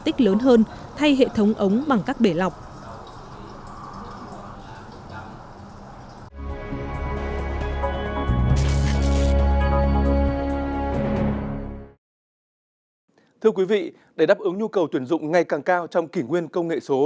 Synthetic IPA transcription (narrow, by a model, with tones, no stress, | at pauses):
t̪ï˦˥k̟̚ləː˨˦nɦəː˧n | t̪ʰa˧jɦḛ˧˨t̪ʰə˨˦wŋ͡mʔə˨˦wŋ͡mɓa˨˩ŋkaː˦˥k̚ɓe˧˩la˨˩wk͡p̚ | t̪ʰɨ˧əkwi˨˦vḭ˧˨ | ɗe˧˩ɗaː˦˥p̚ʔɨ˨˦ŋɲu˧kə˨˩wt̪wi˧˩ənzʊ̰˧˨ŋ͡mŋa˨˩jkaː˨˩ŋkaː˧wt͡ɕɔ˧wŋ͡mki˧˩ŋwi˧ənkə˧wŋ͡mŋḛ˧˨so˨˦